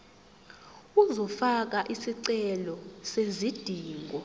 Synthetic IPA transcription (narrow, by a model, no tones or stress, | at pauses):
uzɔfak̬aʔisiǀɛlɔsezid̥ʱiːŋɡʱɔ